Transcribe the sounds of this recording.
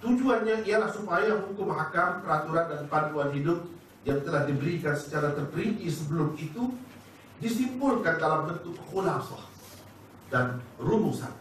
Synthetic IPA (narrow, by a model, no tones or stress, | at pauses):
t̪ud͡ʒuanɲaʔialahsupajaɦukʊmɦakampəɾat̪uɾandaɾipanpuanɦidʊp̚ | jaŋt̪əlahdibəɾikansə̥t͡ʃaɾat̪ərpəɾiɲkisəbəlʊmit̪u | disimpʊlkandalambənt̪ʊkhulasɔ̰h | danrumusa̰n